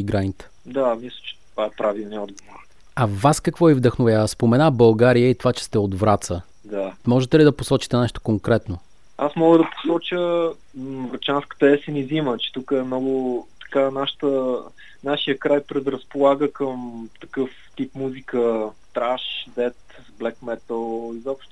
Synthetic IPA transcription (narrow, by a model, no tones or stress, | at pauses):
iɡɾajnt̪ | d̪amislʲə̥t͡ʃɛ̥t̪ovaɛpɾavilˠniɔd̪̚ɡovoɾ | ɐvaskɐkvɔivd̪əxnovjaəspomɛnabɐlˠɡaɾijəit̪ovat͡ʃɛ̥st̪ɛod̪vɾat̪sə | d̪amɔʒɛt̪ɛlid̪ɐposɔt͡ʃi̥t̪ɛnɛʃt̪o̥koŋkɾɛt̪no | asmɔɡəd̪ɐpo̥sɔt͡ʃə | vɾɐt͡ʃanskə̥t̪əɛsɛnizimət͡ʃɛ̥t̪ukəɛmnɔɡʊt̪ɐ̥kanaʃə̥t̪ə | naʃijəkɾajpɾɛd̪ɾəspolˠaɡəkəmt̪ɐ̥kɤf | t̪ipmuzikəst̪ɾaʃd̪ɛt̪ | blɛkmɛt̪əlˠizɔpʃt̪o